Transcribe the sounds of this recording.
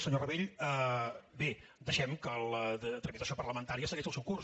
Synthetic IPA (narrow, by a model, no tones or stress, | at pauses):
səɲorəβeʎəbed̪əʃɛmkələt̪ɾəmit̪əsiopərləmənt̪aɾiəsəɣɛʒəlˠsɛwkur